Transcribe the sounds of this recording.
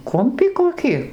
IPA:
ˈkʊmʲpʲiː koːˈkʲɪ

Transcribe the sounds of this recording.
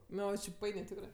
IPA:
ˈnʊ jɛʊ t͡ʃʲɪ ˈpɐɪnʲeː ˈtʲɪkrɜ

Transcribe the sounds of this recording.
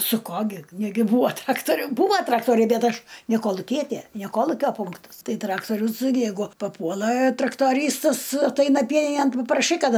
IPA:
sʊ ˈkoː ɡʲɪ ˈnʲæːɡʲɪ ˈbuːoː ˈtrɑːktoːrʲʊ ˈbuːʋɐ ˈtrɑːktoːrʲɛɪ ˈbʲɛt ˈɐʃ nʲɛ koːlˠʊˈkʲiɛtʲeː nʲɛ ˈkoːlˠʊkʲoː ˈpʊŋktɐs ˈtɐɪ ˈtrɑːktoːrʲʊs ˈjɛɪɡʊ pɐˈpuɔlˠɐ trɐktoːˈrʲiːstɐs ɐtˈɐɪnɐ ˈpʲiɛnʲɪnʲeːn pɐprɐˈʃɐɪ ˈkɐt

